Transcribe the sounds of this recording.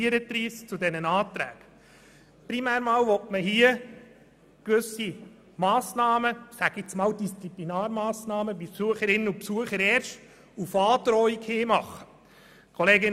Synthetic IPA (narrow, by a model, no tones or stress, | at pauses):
iəɾət̪ɾiːst͡sudɛnənɑːt̪ɾæ̰ːɡ̥ | pɾimæːɾmɑːwʋɔtməɦiə | kʋɵsi | mɑːsnɑːməsæɡ̥ɪt͡smɑːwd̥ist͡siplinɑːɾmɑːsnɑːməbipsuəχəɾɪnːəupsuəχəɾɛːɾʃt | ufɑːtɾɔikheːmɑχːə | kʰɔleːɡɪn